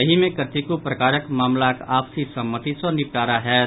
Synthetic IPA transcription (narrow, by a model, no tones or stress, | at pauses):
ɐɦimẽkəɾt̪ikupɾɐkaːɾəkmaːmlakaːpsisɐmːət̪isɔnɪp̚ʈaːɾaɦɛː